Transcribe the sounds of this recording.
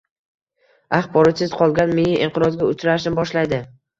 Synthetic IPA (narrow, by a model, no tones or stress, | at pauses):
aχbɒɾɒt̪sɪzqʰɒlˠɡʲanmenɪʔɪɴqɨɾɒzɡʲaʊt͡ʃʰɾaʃɪmbɒʃlajd̪ɪ